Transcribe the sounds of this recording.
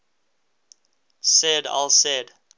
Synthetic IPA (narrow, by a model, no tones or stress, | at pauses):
sɛda̰lˠsɛd